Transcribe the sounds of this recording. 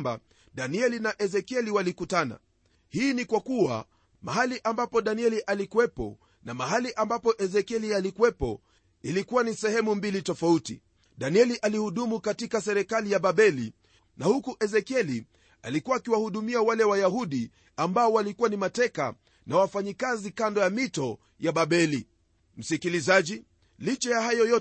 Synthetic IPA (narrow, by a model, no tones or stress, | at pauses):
mba̰ | ɗaniɛlinaʔɛzɛkiɛliwalikutana̰ | hiːnikwakuwa̰ | maɦaliʔambapɔɗaniɛliʔalikuwɛpɔ̰ | namaɦaliʔambapɔʔɛzɛkɛlialikuwɛpɔ̰ | ilikuwanisɛhɛmumbilitɔfautḭ | ɗaniɛliʔalihuɗumukatikasɛɾɛkalijaɓaɓɛli | nahukuʔɛzɛkiɛli | a̰likuwaːkiwahuɗumiawalɛwajahuɗi | ambaɔwalikuwanimatɛka̰ | nawafaɲikazikandɔjamitɔ | jaɓaɓɛli | m̩sikilizaʄi | lit͡ʃɛjahajɔjɔ